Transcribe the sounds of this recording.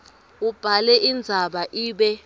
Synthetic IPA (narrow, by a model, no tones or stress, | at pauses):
ub̥ʱalɛʔind͡zʱaɓaʔiːɓɛ